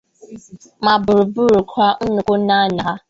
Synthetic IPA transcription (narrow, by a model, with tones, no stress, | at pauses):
ma˨bʊ˨ɾʊ˨bu˦ɾu˨kʷʰa˦ʔʊ˦nu˨kʊ˦na˦na˨˦